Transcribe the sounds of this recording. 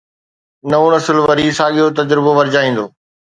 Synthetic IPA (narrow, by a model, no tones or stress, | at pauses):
nɐõnɐsɪlʋɐɾiːsãːɠijot̪̬ɐd͡ʑɾɪboʋɐɾɪd͡ʑaːĩːn̆d̪oː